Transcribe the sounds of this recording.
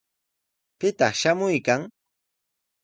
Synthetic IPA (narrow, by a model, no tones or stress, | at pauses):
pɪt̪ɑ̰χʃamʊjkaŋ